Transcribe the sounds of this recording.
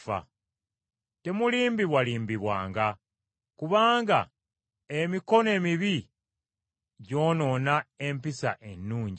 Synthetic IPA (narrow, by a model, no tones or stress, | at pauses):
fa̰ | te̞muliːmbiβwaliːmbiβwa̰ːŋɡa | kuβaːŋɡa̰ | emiko̞ne̞ːmiβi | ɟo̞ːno̞nae̞mpisa̰ʔe̞nːuːɲɟi